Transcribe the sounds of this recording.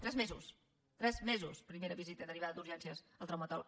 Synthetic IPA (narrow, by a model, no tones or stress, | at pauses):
t̪ɾɛzmezṵs | t̪ɾɛzmezuspɾimeɾəβizit̪əd̪əriβaðəd̪uɾʒɛnsiəzəlˠt̪ɾawmət̪ɔl